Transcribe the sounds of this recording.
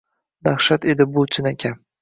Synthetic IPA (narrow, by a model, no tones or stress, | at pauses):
d̪aχʃat̪ed̪ɪbolˠt͡ʃʰɪnakʲʰa